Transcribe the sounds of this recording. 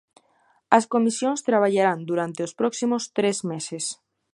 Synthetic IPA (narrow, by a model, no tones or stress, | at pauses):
ɐskomisjoŋst̪ɾaβ̞aʎaɾand̪uɾant̪eospɾɔksimʊst̪ɾezmeses